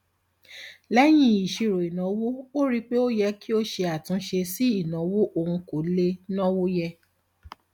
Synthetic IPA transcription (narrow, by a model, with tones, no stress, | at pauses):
lɛ˦j̃ĩ˦i˨ʃi˨˧ɾo˨i˨nɔ̃˨˦wo˦o˦ɾi˦k͡pe˦o˦jɛ˧ki˦o˦ʃe˧a˨tũ˨˦ʃe˧si˦i˦˨nɔ̃˨˦wo˦ʔo˧˨ũ˧ko˨˦le˦nɔ̃˦wo˦jɛ˧